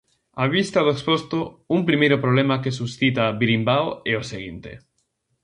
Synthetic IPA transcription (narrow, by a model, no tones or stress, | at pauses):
aβist̪aðoekspost̪oumpɾimejɾʊpɾoβlemakesusθit̪aβiɾimbawɛoseɣint̪ḛ